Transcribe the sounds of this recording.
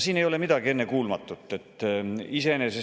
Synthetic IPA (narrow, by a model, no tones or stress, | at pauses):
siːnejo̞le̞mid̪̥ɑɡie̞nːe̞kuːlmɑt̪ːˑut̪ːˑe̞t̪ːˑisenese